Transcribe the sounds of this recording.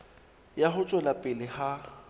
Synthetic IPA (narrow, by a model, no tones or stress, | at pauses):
jaɦʊt͡ʃʼɛlapʼɪlɪha